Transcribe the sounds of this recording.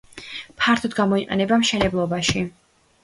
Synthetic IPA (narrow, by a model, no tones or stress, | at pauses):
pʰaɾt̪ʰɔd̪ɡamɔiqʼɛ̰nɛbamʃɛnɛblˠɔbaʃi